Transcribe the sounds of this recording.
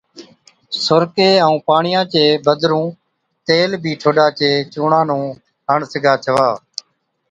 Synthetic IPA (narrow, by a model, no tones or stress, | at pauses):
sʊɾkeːəũːpaːɳɪjãːt͡ʃeːbəd̪ʱɾũː | t̪eːlbʱiːʈʰoːɗaːt͡ʃeːt͡ʃuːɳãːnũː | ɦəɳsɪɡʱaːt͡ʃʰəʋaː